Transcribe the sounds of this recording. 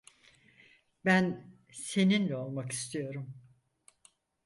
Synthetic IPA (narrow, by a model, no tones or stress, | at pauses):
bæn | se̞ninlʲɛo̞lˠmaki̥st̪ʰijo̞ɾum